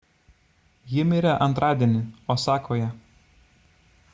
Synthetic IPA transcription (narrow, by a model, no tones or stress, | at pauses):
jɪmʲiːɾɐʔɐnt̪ɾʔɑːd̪ʲiɛnʲɪoːsɑːkʰoːjɛ